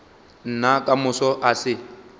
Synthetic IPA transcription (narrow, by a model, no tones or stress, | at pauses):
n̩nakʼamʊsɔʔasɪ